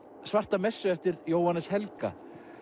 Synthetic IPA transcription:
svar̥t̪amɛsːʏɛft̪ɪɾjoːwhanːɛshɛlka̰

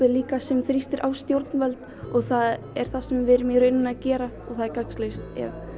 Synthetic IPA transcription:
ɪliːkasɛmθɾist̪ɪɾʔawst̪jowɾt̪nvɛlt̪ | ɔɣθað | ɛɾ̥θasɛmvɪɾɪmjœɾɪnːʏnaðcɛːɾa | ɔɣθaðɛɾkakslejst̪ɛ̰v

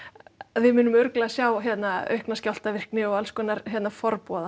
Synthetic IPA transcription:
aðvɪmʏːnʏmʏɾklaasjawɦjɛt̪naœ̰ɥhknascawl̥t̪avɪr̥knɪɔɣalskɔːnaɾɦjɛt̪nafɔɾpɔːða

